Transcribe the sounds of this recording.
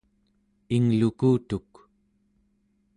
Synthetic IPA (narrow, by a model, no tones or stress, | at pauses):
iŋlukuːt̪uk